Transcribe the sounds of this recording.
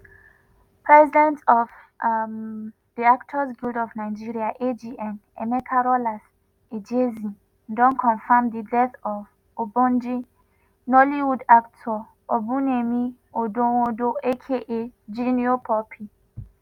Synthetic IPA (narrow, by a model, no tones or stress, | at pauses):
pʰɹɛzidɛ̃ntɔv | diaktʰɔsɡildɔfnaɪd͡ʒiɹiaʔed͡ʒiʔɛ̃nɛmɛkʰaɹɔlas | ed͡ʒezĩn | dɔ̃nkʰɔ̃nfamdidɛθɔv | obɔ̃nd͡ʒi | nɔliwudaktʰɔ | obunemi | odõwodoekʰeʔed͡ʒiniopʰɔpʰi